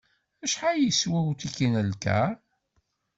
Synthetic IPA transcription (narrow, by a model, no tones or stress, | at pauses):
æʃħajiswæwt̪ikːinəlkæ̰ɾˤ